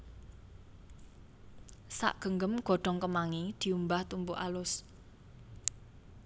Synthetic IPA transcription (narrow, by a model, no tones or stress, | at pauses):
sa̰ʔɡ̥ə̤ŋɡəmɡ̥ɔ̤ɖ̥ɔ̤ŋkəmaŋid̪̥i̤umbaht̪umbuʔalʊs